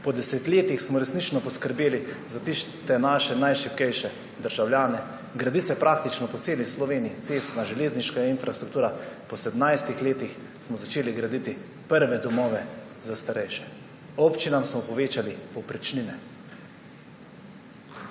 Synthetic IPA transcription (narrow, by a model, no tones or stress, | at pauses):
pɔd̪ɛset̪leːt̪ixsmɔɾɛsnit͡ʃnɔpɔskəɾbeːlizat̪ist̪ɛnaːʃɛnajʃipkɛjʃɛ | d̪əɾʒawljaːnɛ | ɡɾad̪isɛpɾʔaːkt̪it͡ʃnɔpɔt̪seːlislɔʋeːniit̪seːst̪naʒɛleːzniʃkainfɾʔast̪ɾuk̚t̪uːɾapɔsɛd̪mnajst̪ixleːt̪ix | smɔzat͡ʃeːliɡɾad̪it̪i | pəɾʋɛd̪ɔmɔːʋɛ | zast̪aɾɛjʃɛ̥ | ɔpt͡ʃinamsmɔpɔʋeːt͡ʃalipɔwpɾit͡ʃninɛ